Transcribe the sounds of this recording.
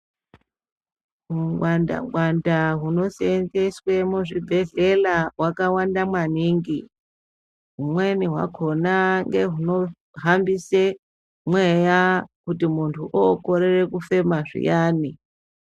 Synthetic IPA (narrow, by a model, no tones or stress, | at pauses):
muŋɡwanda̰ŋɡwandaɦuno̞senzeswe̞muʐibʱe̞ɮelawakawandamwaniːŋɡi | ɦumwe̞niɦwa̰kʰo̞naŋɡe̞ɦuno̞ | ɦambise | mwe̞jakutimuntʰuʔoko̞ɾere̞kufe̞maʐḭjaːni